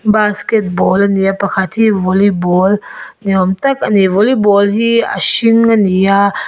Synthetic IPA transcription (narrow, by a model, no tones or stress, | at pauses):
basket̚bɔlɐnijapɐkʰat̪ʰivɔlibɔlniɔmt̪ɐkɐnivɔlibɔlɦiɐ̰ʃiŋanija